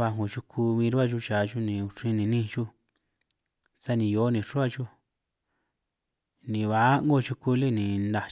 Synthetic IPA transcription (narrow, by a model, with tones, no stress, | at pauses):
βa˧ŋo˨t͡ʃu˧kʰu˧βĩː˧ɾu˦a˦˨ʒu˦t͡ʃa˨ʒu˦nĩ˨u˧ʂĩ˧˦nĩ˧nĩ˦˧t͡ʃu˦ | sa˦nĩ˧jo˨˦nĩ˧˨ʂu˦a˦˧ʒu˦ | nĩ˨βa˨˦ŋɡo˦˨t͡ʃu˧ku˧li˦nĩ˨nda˧